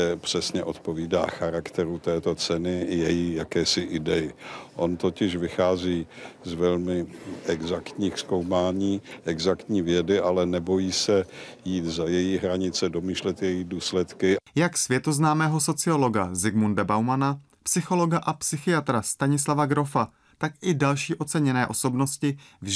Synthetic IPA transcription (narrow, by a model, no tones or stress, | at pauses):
ɛpr̥ɛsɲɛʔo̞t̪po̞viːda̰ːxaɾakt̪ɛɾut̪ɛːt̪o̞t͡sɛnɪjɛjiːjakɛːsɪʔɪdɛjɪʔo̞nt̪o̞cɪʃvɪxaːziːzvɛlmɪʔɛɡzakt̪ɲiːxsko̞wmaːɲiːʔɛɡzakt̪ɲiːvjɛdɪʔalɛnɛbo̞jiːsɛjiːt̪zajɛjiɦɾaɲɪt͡sɛdo̞miːʃlɛt̪jɛjiduːslɛt̪kɪjaksvjɛt̪o̞znaːmɛːɦo̞so̞t͡sɪolo̞ɡazɪɡmundabawmana | psɪxo̞lo̞ɡaʔapsɪxɪat̪ɾast̪aɲɪslavaɡɾo̞fa | t̪akɪdalʃiːʔo̞t͡sɛɲɛnɛːʔo̞so̞bnoscɪvʒ